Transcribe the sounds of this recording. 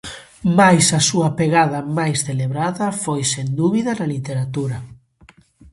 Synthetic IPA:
majsɐsuɐpeɣaðɐmajsθeleβɾaðɐfojsend̪uβiðɐnɐlit̪eɾat̪uɾɐ

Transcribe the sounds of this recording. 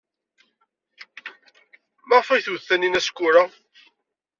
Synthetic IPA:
mɑʁfæjθwθːæninæskʷːʊɾa

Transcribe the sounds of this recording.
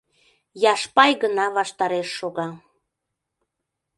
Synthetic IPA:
jɑʃpɑjɣənɑβɑʃt̪ɑɾeʃːoɣɑ

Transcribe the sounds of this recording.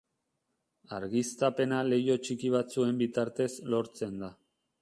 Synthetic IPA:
aɾɣist̪ape̞nale̞jo̞t͡ʃikiβ̞at͡sue̞mbit̪aɾt̪e̞zlo̞ɾt͡se̞nd̪a

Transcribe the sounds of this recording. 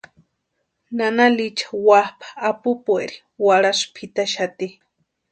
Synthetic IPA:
nanalit͡ʃʰḁwapʰḁːpupueɾi̥ | waɽaspʰit̪aʃat̪i

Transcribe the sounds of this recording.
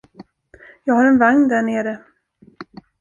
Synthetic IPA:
jɑːɡhaɾɛnvaŋnd̪æɳeːɾə

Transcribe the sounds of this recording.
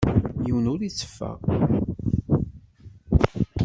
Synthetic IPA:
jiwənʊɾit͡sːə̥fːæ̰

